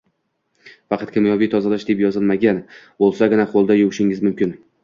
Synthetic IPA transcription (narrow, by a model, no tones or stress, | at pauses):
fɑqʰɑt̪kʲʰɪmjɒvijt̪ʰɒzalaʃd̪e̞pjɒzɨlˠmaɡʲan | bolˠsaɡʲɪnaqʰolˠd̪ajʊwɪʃɪŋɪzmʊmkʲɪn